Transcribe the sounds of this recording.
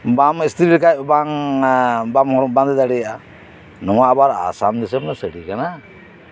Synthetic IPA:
bamist̪ʰɾiɾkajbaŋ | bamhɔɾɔbãnd̪ɛd̪aɽɛjaʔa | nɔwaːbaɾa̰sand̪isəmnasəɽikana

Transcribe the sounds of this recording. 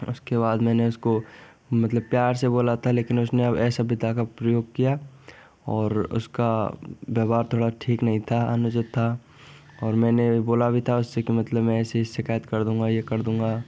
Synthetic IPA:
ʊskebaːd̪mɛ̃ːneʊsko | mɐt̪ləb̚pjaːɾseboːlat̪ʰaleːkɪnʊsneɐbɛːsabɪd̪ʱakapɾəjoːɡ̚kija | ɔːɾʊ̰skabjaːbaːɾt̪ʰoːɽaʈʰiːknɐɦĩt̪ʰaɐ̰nʊd͡ʒəd̪t̪ʰːa | ɔːɾmɛ̃ːneboːlabʱit̪ʰaʊsːekimɐt̪ləbmɛ̃ɛːseʃɪkaːjət̪kɐɾd̪ũːŋɡajekɐɾd̪ũːŋɡa

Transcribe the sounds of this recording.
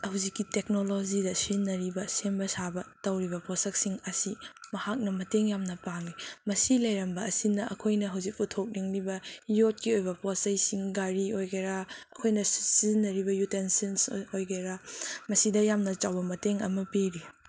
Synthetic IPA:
hɐwzikːitek̚nolod͡ʒidɐsinɐɾibɐsembɐsabɐtɐwɾibɐposɐk̚siŋɐsimɐhak̚nɐmɐteŋjamnɐpaŋlimɐsilɐjɾɐmbɐɐsinɐʔɐ̰kʰojnɐɦɐwzik̚utʰok̚niŋlibɐjot̚kiojbɐposɐjsiŋɡaɾiojɡeɾaɐkʰojnɐssizinɐɾibɐjutensensojɡeɾamɐsidɐjamnɐt͡ʃawbɐmɐteŋɐ̰mɐpeɾi

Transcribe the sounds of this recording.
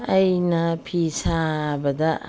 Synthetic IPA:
ɐjnɐpʰisabɐdɐ

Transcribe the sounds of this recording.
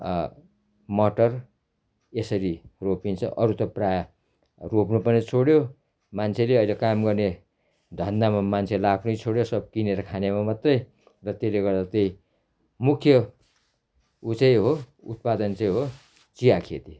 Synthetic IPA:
mʌʈʌr | esʌɾiropint͡sʰʌ̰ʔʌɾut̪ʌpraja | ropnupʌnit͡sʰoɽjo | mant͡sʰeleʌilekamɡʌrne | d̪ʱʌnd̪amamant͡sʰelakʰnʌjt͡sʰoɽjosʌb̚kineɾʌkʰanemamʌt̪rʌj | rʌt̪eleɡʌrd̪at̪ʌj | mukʰjʌ | ut͡sʌjɦo | ṵt̪̚pad̪ʌnt͡sʌjɦo | t͡sijakʰet̪i

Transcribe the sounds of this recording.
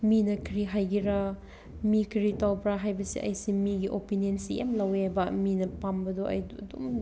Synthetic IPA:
minɐkʰɾiɦajɡiɾa | mikʰɾitawpɾaɦajbɐsḭʔɐ̰jsimiɡiʔo̰piniɐnsija̰mlɐwjabɐminɐpambɐdoɐ̰jɐ̰dṵm

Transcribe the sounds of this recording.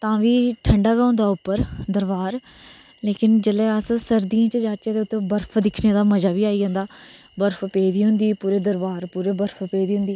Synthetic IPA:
t̪ãːʋiːʈʰəɳɖaːɡaːʊ̃ːnd̪aːʊpːəɾd̪əɾʋaːɾ | leːkɪnd͡ʒəlɛːəssəɾd̪iãːt͡ʃəd͡ʒaːt͡ʃeːt̪eːʊt̪ːẽːbəɾfʰd̪ɪkʰneːd̪aːməd͡ʒaːbiːaːiːd͡ʒãːnd̪aː | bəɾfʰpeːd̪iːɦʊ̃nd̪iːpuːɾeːd̪əɾbaːɾpuːɾeːbəɾfʰpeːd̪iːɦʊ̃nd̪iː

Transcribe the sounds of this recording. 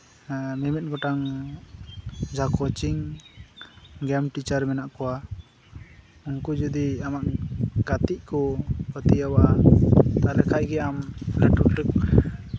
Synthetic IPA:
mɛmɛt̪̚ɡɔʈaŋ | d͡ʒakɔt͡ʃiŋ | ɡɛmʈit͡ʃaɾmɛnaʔkɔwa | uŋkud͡ʒud̪iamaʔɡat̪iʔkɔət̪ijawa | t̪aɾɛkʰajɡɛamlɛʈulək̚

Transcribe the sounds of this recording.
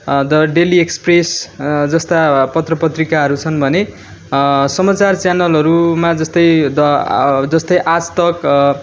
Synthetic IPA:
d̪ʌɖeliekspresd͡zʌst̪apʌt̪rʌpʌt̪rikaɦʌɾut͡sʰʌnbʱʌne | sʌmat͡sart͡sjanʌlɦʌɾumad͡zʌst̪ʌjd̪ʌd͡zʌst̪ʌjʔat͡st̪ʌk

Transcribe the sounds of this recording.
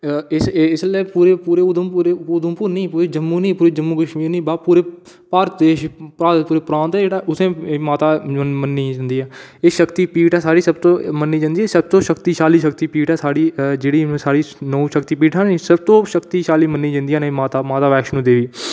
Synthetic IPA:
ɪsɪsleːpuːɾeːpuːɾeːʊd̪əmpuːɾeːʊd̪əmpuːɾnĩːpuːɾiːd͡ʒəmːuːnĩːpuːɾiːd͡ʒəmːuːkəʃmiːɾnĩːbaːpuːɾeː | paːɾt̪d̪eːʃpɾaːɾt̪puːɾeːpɾãːnt̪ɛd͡ʒeːɽaːʔʊsẽːmaːt̪aːmənːiːd͡ʒãːnd̪iːɛːeːʃəkt̪iːpiːʈɛːsaːɽiːsəbt̪õːmənːiːd͡ʒãːnd̪iːɛːsəb̚t̪õːʃəkt̪iːʃaːliːʃəkt̪iːpiːʈɛːsaːɽiːd͡ʒeːɽĩːsaːɽiːnuːʃəkt̪iːp̬iːʈʰaːnĩːsəb̚t̪õːʃəkt̪iːʃaːliːmənːiːd͡ʒãnd̪iːãːnemaːt̪aːmaːt̪aːʋɛːkʃnũːd̪eːʋiː

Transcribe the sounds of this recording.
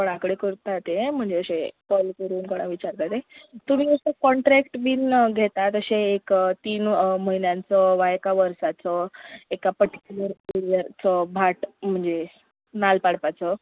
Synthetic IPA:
kəɽ̃akɽekəɾt̪at̪em̤əɳd͡zeəɕekɔlkəɾuːnkəɽ̃aʋit͡ɕaɾt̪at̪et̪um̤iːəsekɔɳʈɾɛkʈbiːnɡʱet̪at̪əɕeːkt̪iːnməɦinjãnt͡sɔʋajekaʋəɾsat͡sɔekapəɾʈi̥kʲjuləɾeɾijəɾt͡sɔbʱaʈm̤əɳd͡ze | nalpaɽpat͡sɔ

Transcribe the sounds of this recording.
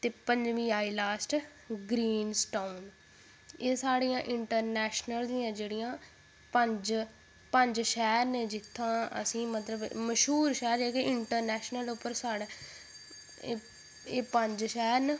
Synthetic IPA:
t̪eːpə̃ɲd͡ʒʋĩːaːilaːsʈ | ɡɾiːnsʈaːun | eːsaːɽiːãːʔɪɳʈəɾnɛːʃnəld̪iːãːd͡ʒeːɽijãː | pəɲd͡ʒ | pəɲd͡ʒʃɛːɾnẽːd͡ʒɪt̪ʰːãːə̰sĩːmət̪ləbməʃɦuːɾʃɛːɾɛːkeʔɪɳʈəɾnɛːʃnəlʊpːəɾsaːɽe | eːpəɲd͡ʒʃɛːɾn

